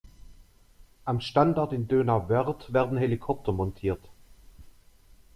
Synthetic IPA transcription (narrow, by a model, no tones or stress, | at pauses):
ʔamʃtandaɐtɪndøːnavɛʁtv̥ɛːɐdn̩hɛlikʰɔp̚tʰɐmɔntʰiːɐt